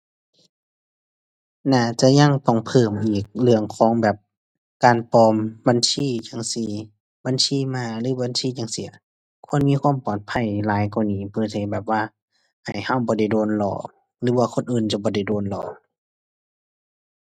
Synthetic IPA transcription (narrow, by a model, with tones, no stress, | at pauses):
naː˧˩t͡ɕa˧˩ɲa˧˥˨ŋp̪ɔ˧˩ŋpʰɤː˧˩mʔiː˨˩k̚lɯ˧˨əŋkʰɔː˨˦ŋbɛː˨˩p̚ | kaː˨npɔː˧mba˧˨nsiː˧˥˨ɲa˧˨ŋsi˧˩ | ba˧˥˨nsiː˧˥˨maː˧˨lɯː˨˦ba˧˥˨nsiː˧˥˨ɲa˧˨ŋsi˧˩ɐ | kʰu˧˥ə˨nmiː˧˥˨kʰwuː˧˥˨mpɔː˨˩t̪̚pʰa˧˩˨jlaː˨˦jkɔ˧˩niː˧˩pʰɯː˧˨tʰa˧˩˨bɛː˨˩p̚waː˧˩ | ha˨˩jha˧˨wbɔː˧˦da˧˩jdoː˧˩nlɔ̰ː˧˩ | lɯː˨˦waː˧kʰo˧˥˨nʔɯː˨nt͡ɕa˧˩bɔː˧˦da˧˩jdoː˧˨nlɔ̰ː˨˩